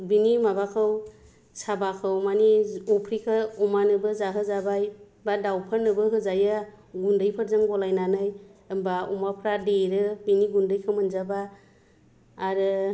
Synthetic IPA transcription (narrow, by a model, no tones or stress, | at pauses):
binimabakʰɯw | sabakʰɯwmaniɔpʰɾikʰaumanɯbɯzaɦɯzabaj | badawpʰaɾnɯbɯɦɯzaja | ɡundɯjpʰəɾzɯŋɡɔlajnanɯjɯmbaumapʰɾadeɾɯbiniɡundɯjkʰɯmɯnzaba | ɾɯ